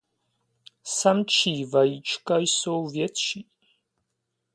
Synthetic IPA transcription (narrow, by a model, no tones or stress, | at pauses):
sɐmʈ͡ʂʰiːvɐjit͡ʃʰʼkʰʼɐjsowvjɛt̪ʃi